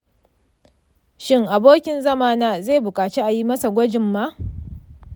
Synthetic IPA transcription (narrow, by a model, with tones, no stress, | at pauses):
ʃɪ˦ŋʔa˨boː˦kʲɪ˨nzɐ˦maː˦naː˦zeː˦˨bʊ˨kʼaː˨t͡ʃe˦ʔa˨ji˦mɐ˦sa˨ɡʷɐ˦d͡ʒɪ˨mːa˦ʔ